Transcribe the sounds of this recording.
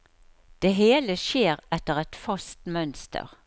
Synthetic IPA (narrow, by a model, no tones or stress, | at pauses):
d̪̥eːɦeːləʃjeːʁɛt̪ːəʁɛt̪fɑst̪mœnst̪ə̰ʁ